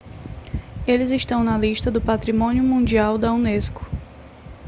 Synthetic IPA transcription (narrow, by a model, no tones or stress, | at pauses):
elɪzɪʃt̪ɐ̃w̃nɐliʃt̪ɐd̪ʊpat̪ɾimõniʊmũd͡ʒiawd̪ɐuneskʊ̥